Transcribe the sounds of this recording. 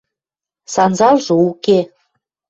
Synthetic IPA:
sɑnzɑlʒɤ̆uke

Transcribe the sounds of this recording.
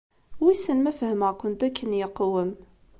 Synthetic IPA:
wisənmæfhəməʁkʷʊnt̪ækːənjəqːwəm

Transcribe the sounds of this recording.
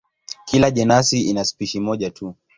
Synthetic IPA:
kilaʄɛnasiinaspiʃimɔʄatu

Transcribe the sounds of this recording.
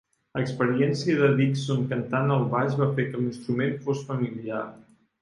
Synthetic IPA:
əkspəɾiɛnsiəðəðiksoŋkənt̪anəlˠβaʒβafekəlinst̪ɾumenfosfəmiliar

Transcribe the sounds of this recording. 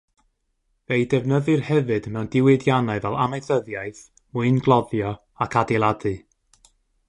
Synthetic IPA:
vejdɛvnəðɨrhɛvɨdmɛwndɪwɪdjanaɨvɛlˠamejθəðjajθ | mʊɨnɡlˠɔðjɔ | akʰadɛlˠadɨ

